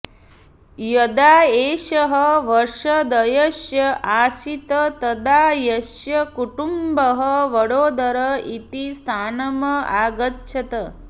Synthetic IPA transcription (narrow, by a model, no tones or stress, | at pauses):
jɐd̪aːeːʃɐɦɐʋɐɾʂɐd̪ɐjɐʃjɐʔaːsit̪ɐt̪ɐd̪aːjɐʃjɐkuʈumbɐɦɐʋɐɽoːd̪ɐɾɐit̪ist̪ʰaːnɐmɐaːɡɐtːʃʰɐt̪ɐ